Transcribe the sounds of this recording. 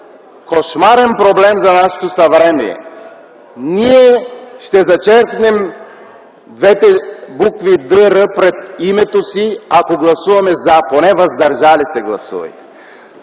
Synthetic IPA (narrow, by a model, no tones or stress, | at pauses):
koʃmaɾɛnpɾoblɛmzanaʃɛ̥t̪osɐvɾɛmɛ̰ | niɛʃt̪ɛzɐt͡ʃɛɾknɛm | d̪vɛt̪ɛbukvid̪əɾəpɾɛt̪imɛt̪osiakoɡlˠɐsuvɐmɛzaponɛvɐzd̪ɐɾʒalisɛɡlˠɐ̰sṵvɐ̰jt̪ɛ̥